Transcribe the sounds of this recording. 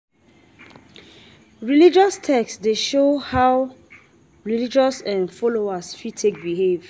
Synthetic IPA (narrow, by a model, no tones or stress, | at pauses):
ɹilid͡ʒɔstʰɛksdeʃohaʊ | ɹilid͡ʒɔsɛ̃nfɔloasfitʰek̚biɦev̥